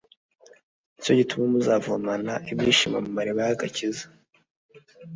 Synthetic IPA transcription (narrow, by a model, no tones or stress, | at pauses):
ico̞ɟitumamuzaːvuamanaʔibɟiːʃimamumaɾiβajaɡacizḁ